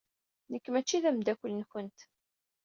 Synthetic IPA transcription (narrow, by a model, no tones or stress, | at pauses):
nəkːmæt͡ʃːiðæmd̪ækʷːəlnçənt̪